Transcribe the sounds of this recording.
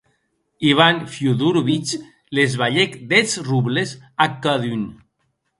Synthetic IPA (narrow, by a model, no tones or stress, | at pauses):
iβanfjuðuɾβit͡ʃ | lezβaʎekd̪et͡sruβlezakːaðyn